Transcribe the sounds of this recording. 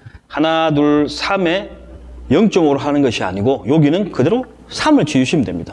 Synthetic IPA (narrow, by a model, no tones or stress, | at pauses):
hanaduɭsʰame̞jʌŋt͡ɕ͈ʌmɯɾoɦanɯnɡʌɕʰia̰ɲiɡojoɡinɯnkɯde̞ɾo | sʰamɯɭt͡ɕijuɕʰimdwe̞mɲid̥a